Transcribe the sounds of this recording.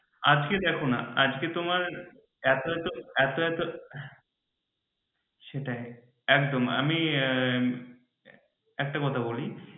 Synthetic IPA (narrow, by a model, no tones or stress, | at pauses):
a̰d͡ʑked̪ɛkʰona̰ad͡ʑket̪omaɾ | ɛt̪oɛt̪oɛt̪oɛt̪o | ʃeʈae | ɛkd̪oma̰mi | ɛk̚ʈakɔt̪ʰaboli